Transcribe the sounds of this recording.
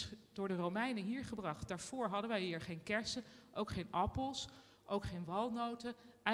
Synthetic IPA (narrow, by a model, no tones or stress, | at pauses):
d̥ʊːɹdərowmɛjnəɦiːɹχəbrɑχtdaːɹv̥ʊːɹɦɑdənʋɛjɦiːɹχejnkɛɹsəʔowkχejnɑpəlˠs | ʔowkχejnʋɑlˠnowtəɛ